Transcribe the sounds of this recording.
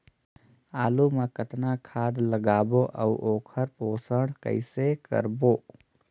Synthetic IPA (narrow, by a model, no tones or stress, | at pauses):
aːlumekət̪nakʰaːd̪ləɡaːboʔɐ̰wʔoːkʰəɾpoːsəɽkə̰ɪsekə̰ɾboː